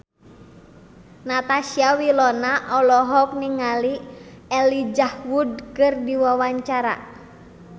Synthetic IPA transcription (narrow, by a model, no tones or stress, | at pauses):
nat̪asiawilɔnaʔɔlɔɦɔk̚niŋaliɛlid͡ʒahwud̚kɨrdiwawaɲt͡ʃaɾa̰